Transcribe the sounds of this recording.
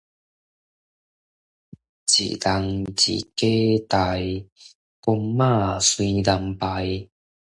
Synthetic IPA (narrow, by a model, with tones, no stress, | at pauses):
t͡ɕḭ˨da˧ŋt͡ɕḭ˨˩ke˦t̪a˧˩j | kɔ˧mːa˥˧˨swi˧da˧mpa˧j